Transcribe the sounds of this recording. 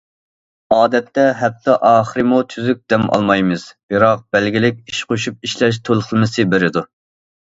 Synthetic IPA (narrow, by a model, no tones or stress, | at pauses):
ɑːd̪ɛt̪ʰːɛɦɛp̚t̪ʰːɛʔɑːχəɾɨmut̪ʰyzyk̚ʲd̪̥ɛmʔɑ̰lˠmɑjmɨz̥b̥ɨɾɑq̚b̥ɛlɡʲilɪkʲiʃqoʃup̚iʃlɛʃ̬t̪ʰolˠχəlˠmɪsɨbeɾɪd̪u